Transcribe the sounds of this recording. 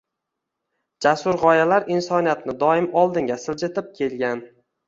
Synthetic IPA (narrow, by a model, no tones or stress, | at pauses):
d͡ʒasʊɾʁɒjalaɾɪnsɒnijat̪nɪd̪ɒɪmɒlˠd̪ɪŋɡʲasɪld͡ʒɪt̪ʰɪp̚kʲʰe̞lɡʲan